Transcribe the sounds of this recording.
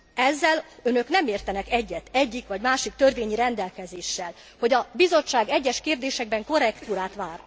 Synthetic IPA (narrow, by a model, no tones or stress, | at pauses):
ɛzːɛlønø̞knɛmeːrt̪ɛnɛkɛɟːɛt̪ɛɟːikʋɒɟmaːʃik̚t̪ø̞rveːɲiɾɛnd̪ɛlkɛzeːʃːɛl | ho̞ɟɒbizo̞t͡ʃːaːɡɛɟːɛʃkeːrd̪eːʃɛɡ̚bɛŋko̞rɛkt̪uːɾaːt̪ʋaːr